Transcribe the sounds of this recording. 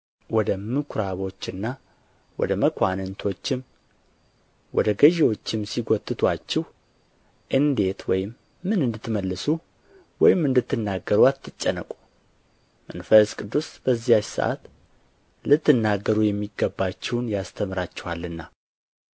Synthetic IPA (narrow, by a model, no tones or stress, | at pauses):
wɔd̪əmɨkʰɾaβo̞t͡ʃːɨnːa | wɔ̰d̪əməkʰʷanɨnt̪ʰo̞t͡ʃːɪm | wɔd̪əɡəʒewo̞t͡ʃːɪmsiɡot̪ʼːɨt̪ʰwat͡ʃːɛh | ʔɨnd̪e̞t̪wɔjɪmː | ɨnɨnd̪ɨt̪ːməlːɨsu | wɔjɪmɨnd̪ɨt̪ːɨnːaɡəɾuat̪ʰːɨt͡ʃʼːənːəkʼu̥ | mənfəskʼɨd̪ːusb̥əzːijat͡ʃsə̰ʔa̰t̪ | lɨt̪ːɨnːaɡːəɾujɛmːiɡəbːat͡ʃːɛwnjast̪ʰəmɾat͡ʃːɛ̥walːɨnːa